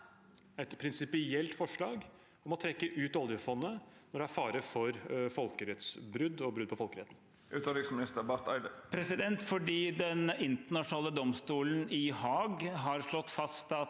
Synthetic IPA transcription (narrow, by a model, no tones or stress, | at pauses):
ɛt̪pʰɾɪnsɪpɪɛlt̪fɔʂɭɑːɡ | ɔmɔt̪ʰɾɛkːəʔʉːt̪ɑljəfɔnːənɔɖ̪ɛæɾfɑːɾəfɔɾfɔlkəɾɛt̪sbɾʉd̪ɔbɾʉd̪̚pɔfɔlkəɾɛt̪n̩ | ʔʉːt̪əlɪksmɪnɪst̪əbæɾt̪æɪd̪əpʰɾɛsɪd̪ɛnt̪fɔɖiːd̪ɛnɪnt̪əɳɑʂnɑːləd̪ɔmst̪uːlənɪhɑːɡɦɑɾʂɭɔt̪ːfɑst̪ɑt̪